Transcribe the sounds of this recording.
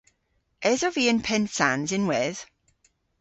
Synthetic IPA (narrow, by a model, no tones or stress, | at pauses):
ɛzɔviːə̃npʰɛntsanzɪnwɛð̥